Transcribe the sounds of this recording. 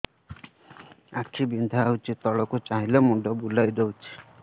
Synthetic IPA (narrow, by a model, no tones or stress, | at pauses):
akʰibind̪ʱaːut͡ʃʰit̪ɔɭɔkut͡ʃaɦilemuɖɔbulajd̪ɔwt͡ʃʰi̥